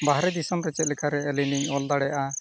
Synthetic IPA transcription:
baɦɾɛd̪isɔmɾɛt͡ʃɛt̪̚lɛkʰaɾɛːliniɲɔld̪aɽɛjaʔa

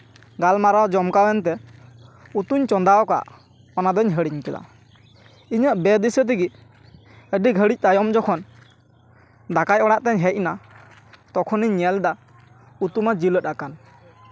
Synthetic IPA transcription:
ɡalmaɾɔd͡ʒɔmkawɛnt̪̬ɛ | ut̪uɲt͡ʃɔnd̪aɔka̰ʔ | ɔnad̪ɔɲɦəɽiɲkɛla̰ | iɲəʔbɛd̪isət̪̬iɡit̪̚ | əɖiɡʱəɽic̚t̪ajɔmd͡ʒɔkʰɔn | d̪akajɔɽaʔt̪ɛɲɦɛc̚na | t̪ɔkʰɔniɲːɛld̪a | ut̪umad͡ʒilət̪̚akan

